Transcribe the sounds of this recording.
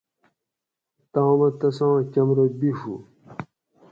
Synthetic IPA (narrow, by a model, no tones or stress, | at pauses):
t̪ãːmɐt̪ɐsãːt͡ɕɐmɾobiʂṵ